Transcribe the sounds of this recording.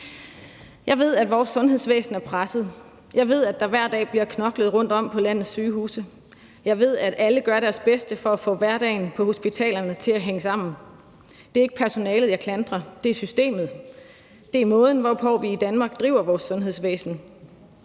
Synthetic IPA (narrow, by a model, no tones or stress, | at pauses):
jɑ̈ɪʋe̝ð̞̰ˠæd̥ʋɒːsːɔ̽nɦe̝ðˠsʋḛːsn̩æɐpʰʁasəð̩ˠ | jɑ̈ɪʋe̝ð̰ˠæd̥ɑ̈ʋæɐ̰d̥ɛ̰ːb̥liɐkʰnɒ̽ɡ̥ləðˠʁɔ̽n̰d̥ɒ̽m̰pʰɒ̽læn̰ð̩ˠsyːhṵːsə | jɑ̈ɪʋe̝ð̞̰ˠæɾ̥ʔæləɡ̥ɶɐɾæɐsb̥esd̥əfɒ̽æfɔ̰̽ːʋæɐɾɛ̰ɪnpʰɒ̽ho̝sb̥it͡sʰɛ̰ːlɐnət͡sʰe̝læɦeŋəsɑ̈m̰n̩ | d̥e̝ɐe̝ɡ̥ə̥pʰæɐso̝nɛːlð̩ˠjɑkʰlænd̥ʁɐd̥e̝æɐsysd̥e̝̰ːmð̞̩ˠ | d̥e̝æɐmɔ̽ːð̞ˠn̩ʋɒpʰɒ̽ʋiːd̥ænmɑ̈ːɡ̥̚d̥ʁḭʊ̰ɐʋɒːsːɔ̽nɦe̝ðˠsʋḛːsn̩